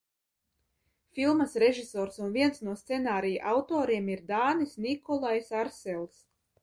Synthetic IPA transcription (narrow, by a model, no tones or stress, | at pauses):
fʲilˠmɐsɾeʒisɔːɾsunviɛnsnuɔst̪sɛnaːɾija̰ʔawt̪ɔːɾiɛmiɾd̪aːnisnikɔlˠajsaɾsɛlˠs